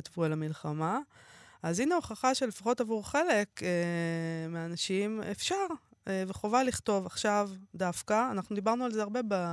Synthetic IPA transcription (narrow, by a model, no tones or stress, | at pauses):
t̪vuelamilχama | azineo̞χaχaʃe̞lefaχo̞tavuʁχe̞le̞kemeanaʃimḛfʃaʁeveχo̞valiχt̪o̞vaχʃavd̪afkaːnaχnud̪ibaʁnualzeaʁbe̞ba